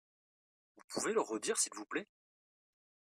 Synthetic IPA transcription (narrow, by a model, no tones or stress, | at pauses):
vupʰuveləʁəd̪iʁsilvuplɛ